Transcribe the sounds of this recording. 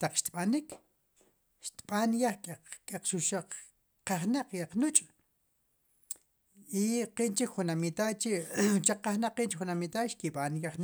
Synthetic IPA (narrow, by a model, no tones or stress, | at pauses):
t̪aq͡χʃt̪ɓanik | ʃt̪ɓ̥anjaχkʼkʼaq͡χʃuʃaq͡χ | qaχnaq͡χjaq͡χnut͡ʃʼ | iqiʔnt͡ʃikχunamit̪at͡ʃit͡ʃaqːaχnaq͡χːiʔnt͡ʃikχunamit̪aʃkiɓanjaχn